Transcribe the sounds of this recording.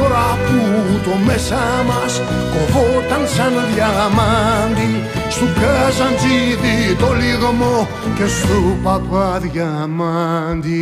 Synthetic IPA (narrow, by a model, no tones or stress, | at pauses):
oɾaput̪omesa | mas | kovot̪ansanðjamand̪i | st̪ukɛzand͡ʒiðit̪oliɣmo | kesupapaðja | mand̪i